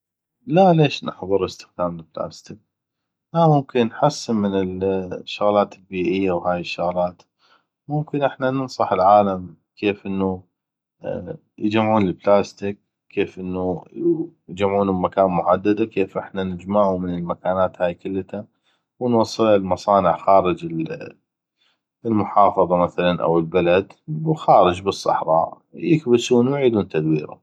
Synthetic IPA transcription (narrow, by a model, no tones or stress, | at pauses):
laleːʃnɪ̰ħðˤɨɾəst̪ɪ̥xd̪aːmɪlbla̰ːst̪ɪk̚ | lamʊmkɪnːħasːɪmɪnɪlʃːʊɣlaːt̪ɪlbiːʔɪjːawhaːjɪʃːʊɣlaːt̪ | mʊmkɪnʔɪħnanɪnsˤɑħɪlʕaːlam | kʰeːfʔɪnːu | jɪd͡ʒamʕuːnlɪlblaːst̪ɪk̚ | kːeːfʔɪnːu | jd͡ʒamʕuːnʊbmakaːnmʊħad̪ːad̪akeːfʔɪħnanɪd͡ʒmaːʕumɪnɪlmakaːnaːt̪haːjkʊlːt̪a | wɪnwɑsˤːɨlɪlmɑsˤɑːnɪʕxaːɾɪd͡ʒɪl | lmʊħɑːfɑðˤɑmaθalanʔa̰wɪlbalad̪wxaːɾɪd͡ʒbɨsˤːɑ̰ħɾˤɑ̰ːʔ | jɪkbɪsuːnwʕiːd̪uːnt̪ad̪wiːɾʊ̰